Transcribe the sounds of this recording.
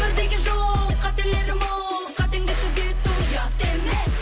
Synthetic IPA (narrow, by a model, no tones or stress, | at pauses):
bɪɾd̪eɡʲɪʒolˠqʰɑt̪eɾle̞ɾɪmol | əqʰɑt̪eŋd̪et̪ʰʏzet̪ːujɑqt̪eme